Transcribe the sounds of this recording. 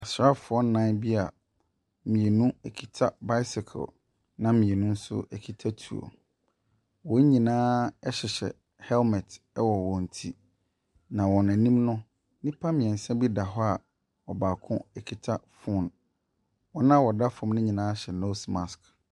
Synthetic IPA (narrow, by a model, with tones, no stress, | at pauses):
a˨sɾa˦fʊ˨ɔ˦n̩˦nã˦bi˦a˨ | mĩ˨e˨nũ˦ɛ˨kʰi̥˨tʰa˦ba˦ɪ˦sɪ˨kʰɔ̰˨l | nã˦mĩ˨e˨nũ˦n̩˦sʊ̰˦ɛ˨kʰi˨tʰa˦tʰu˨o̰˨ | wɔ̃˨˦ɲĩ˨nãː˦ɛ˦ɕɪ˨ɕɛ̰˨ | hɛ˦lmɛ˨t | ɛ˦wɔ˨wɔ̃˨n̩˨tʰi˦ | nã˨wɔ˨nã˨nĩ˦mnʊ̃˦ | nĩ˦pʰa˦mɪ̃˨ɛ̃˨n̩˨sɛ̃˦bi˦da˨ɦɔ˦a˨ | ɔ˨baː˨kʰʊ̃˦ɛ˨kʰi˨tʰa˦fu˦˨n | wɔ˨nã˦wɔ˨da˦fɔ̃˨mnɪ̃˦ɲĩ˨nãː˦ɕɛ˨no˦sma˨sk